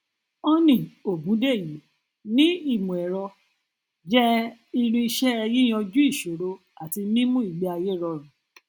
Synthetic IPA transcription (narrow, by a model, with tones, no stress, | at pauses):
ɔ˦nĩ˨o˨bũ˨˦de˦˨ji˨˦ | nĩ˦i˦˨mũ˨ɛ˨ɾɔ˧ | d͡ʒɛ˦i˧ɾ̃ĩ˧i˧ʃɛ˦ɛ˧ji˦j̃ã˧d͡ʒu˦i˦˨ʃo˨ɾo˧ | a˨ti˧mĩ˦mũ˦i˦˨ɡ͡bɛ˨˦a˧je˦˨ɾɔ˧˨ɾ̃ɔ̃˨